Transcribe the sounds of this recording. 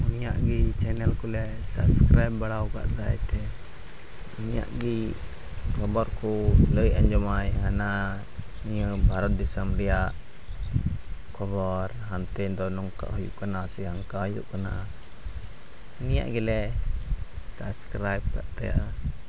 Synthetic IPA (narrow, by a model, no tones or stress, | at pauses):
unija̰ʔɡit͡ʃɛnɛlkulɛ | sa̰bskɾajbbaɽawka̰ʔd̪ajt̪ɛ | unija̰ʔɡi | kɔbɔɾkuləjaɲd͡ʒɔmajɦana | ijəbʱaɾɔt̪̚d̪isəmɾijaʔ | kʰɔbɔɾɦant̪ɛnd̪ɔnɔŋka̰ʔɦɔjuʔkənasijaŋkaɦjṵʔkəna | unija̰ʔɡilɛ | sa̰bskɾajb̚ka̰ʔt̪aja̰ʔa